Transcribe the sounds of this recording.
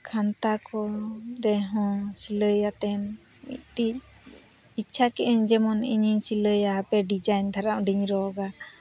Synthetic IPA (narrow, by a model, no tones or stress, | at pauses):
kʰant̪akɔdɛɦɔ̃siləjat̪ɛn | mḭt̪̚ˀtic̚ | it͡ʃʰakɛʔɛɲd͡ʒɛmɔnḭɲiɲsiləjaapɛɖid͡ʒajnd̪ʰʱaɾaʔɖiɲɾɔɡa